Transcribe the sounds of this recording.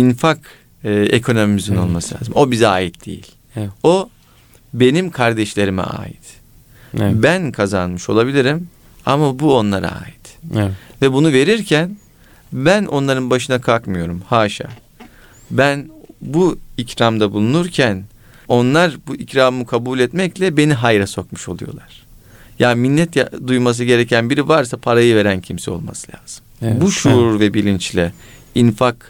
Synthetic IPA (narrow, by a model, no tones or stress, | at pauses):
infak | ɯekʰo̞no̞mimizino̞lˠmasɯlʲaːzɯmo̞bizaːjit̪̚d̪̥ḛjḭlʲ | o̞ | be̞nimkʰaɾd̪ɛʃlʲe̞ɾimɛ̰a̰ːjḭt̪ | bænkʰazanmɯʃo̞̰lˠabilʲiɾim | a̰mabuo̞nlˠaɾa̰a̰ːjit̪vɛbunuve̞ɾiɾcʰæn | bænʔo̞̰nlˠaɾɯnbaʃɯnakʰalˠkmɯjo̞ɾumhaːʃa̰ː | bænbuicɾamd̪abulˠunuɾcʰæn | o̞nlˠaɾbuʔicɾaːmmukʰabuːlʲɛt̪mɛclʲɛbe̞niɦajɾaso̞kmu̥ʃo̞lˠujo̞̰lˠaɾ̥ | jaːnminʲːɛt̪jad̪ujmas̬ɯɟe̞ɾecʰænbiɾivaɾsapʰaɾajɯve̞ɾæncʰimsɛo̞̰lˠma̰sɯlʲa̰ːz̥ɯmbuʃuɾvɛbilʲint͡ʃlʲɛ | infak